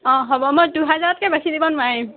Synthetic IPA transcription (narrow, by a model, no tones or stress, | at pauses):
ɔ̃ɦɔbɔmɔjduɦɛzaɹɔtkɛbakʰidibɔnwajĩ